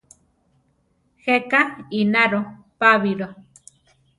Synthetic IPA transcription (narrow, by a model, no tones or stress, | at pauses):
hekainaɾo | paβiɾo